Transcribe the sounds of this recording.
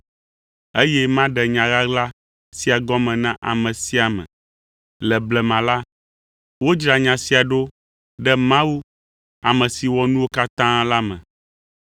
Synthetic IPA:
e˦jɛ˦mã˦ɖɛ˨ɲã˨ɣa˦ɡla˦ | si˦a˨ɡɔ˦mɛ̃˨nã˦ʔa̰˨mɛ̃˨si˦a˨mɛ̰̃˨ | lɛ˨blɛ˨mã˨la˦ | wo˦d͡ʒɾa˨ɲã˨si˦a˨ɖo˦ | ɖɛ˦mã˦wu˦ | a˨mɛ̃˨si˨wɔ˨nũ˦wo˦ka˦t̪ã˦la˦mɛ̰̃˨

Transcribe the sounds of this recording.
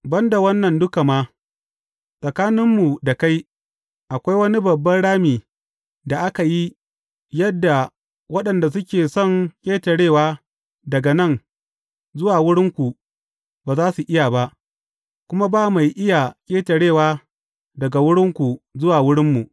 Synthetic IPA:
bɐ˦nda˨wɐ˦nːɐ˨ndʊ˦ka˨maː˦ | sʼɐ˨kaː˦nɪ˦mːu˨da˨ka˦j | ʔa˨kʷa˦jwɐ˦ni˦bɐ˨bːɐ˦nɽaː˦miː˨ | da˨ʔa˦ka˨ji˦ | jɐ˦dːa˨ | wɐ˦ɗɐ˨nda˨s̬ʊ˦kʲeː˨sɔ˦˨ŋkʲʼeː˦tɐ˨ɽeː˦˨waː˦ | dɐ˨ɡa˨nɐ˦˨ŋ | zʊ˦waː˨wʊ˦ɽɪ˦ŋkʷu˨ | baː˨zaː˦su˨ʔɪ˦jaː˨ba˦ʔ | kʷʊ˦ma˦baː˦ma˨jʔɪ˦ja˨kʲʼeː˦tɐ˨ɽeː˦˨waː˦ | dɐ˨ɡa˨wʊ˦ɽɪ˦ŋkʷu˨zʊ˦waː˨wʊ˦ɽɪ˦mːu˨ʔ

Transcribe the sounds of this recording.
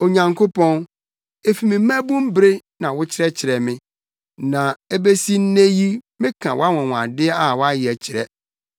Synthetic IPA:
o˨ɲã˨ŋkʰo˦pʰɔ̃˦n | e˦fi˨mɪ̃˨m̩˦æ̃˦bũ˦m˦bɾe˦nã˨wʊ˦t͡ɕʰɪ˦ɾɛ˦t͡ɕʰɪ˨ɾɛ˨mɪ̃˦ | nã˨e˦be˦si˦n̩˦nẽ˦ji˦mɪ̃˦kʰã˨wʔa˦wɔ̃˨w̃a̰˨dɪ˦ɛ˦a˦˨wa˦jɪ˨ɛ˨t͡ɕʰɪ˨ɾɛ˦

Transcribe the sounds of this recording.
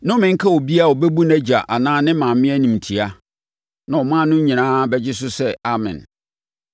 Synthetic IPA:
nʊ̃˦mɪ̃˨ŋ̩˦kʰa˦wɔ˨bi˦a˦˨wɔ˨bɛ˦bu˦næ˦d͡ʑa˨ʔa˨nãː˦nɪ̃˦mã˨mmɪ̃˦æ˦nĩ˨m˨tʰi˨a˦ | nã˨ɔ˨mãː˦˨nʊ̃˦ɲĩ˨nãː˦bɛ˦d͡ʑɪ˦s̬ʊ˦sɛ˦a˦mɪ̰̃˨n

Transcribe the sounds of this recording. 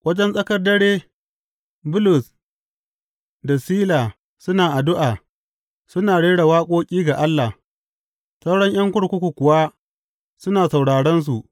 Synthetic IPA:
wʔɐ˦d͡ʒɛ˦nsʼɐ˦kɐ˦rdɐ˦ɽeː˦ | bʊ˦lʊ˨s | da˨siː˦laː˨ | sʊ˦naː˨ʔa˨dʊ˦ʔaː˨ | sʊ˦naː˨ɽeː˦ɽa˨waː˦kʷʼoː˦kʲʼiː˦ɡa˨ʔa˦lːa˨ | sɐ˦wɽɔ˦ɲj̰ɐ˦ŋkʷʊ˦ɽkʷʊ˦kʷu˨kʷʊ˨wa˦ | sʊ˦naː˨sa˨wɽaː˨ɽɛ˦ns̬u˨ʔ

